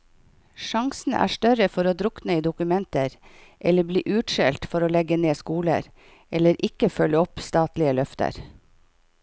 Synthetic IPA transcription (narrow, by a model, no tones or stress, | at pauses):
ʃɑŋsn̩ʔæ̰ːʃtœɾəfɔɾoːd̪ɾʊknəiːd̪ʊkʉmɛnt̪əɾʔɛləbliːʔʉːʈʃɛlt̪fɔɾoːlɛɡəneːskuːlə̰ɾ | ɛləɾʔɪkəfœləɔpst̪ɑːt̪lɪəlœft̪ə̰ɾ